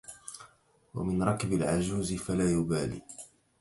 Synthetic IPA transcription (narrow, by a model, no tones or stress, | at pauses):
wa̰mɪnɾˤɑkɪbalʕad͡ʒuːzɪfalaːjʊbaːlḭː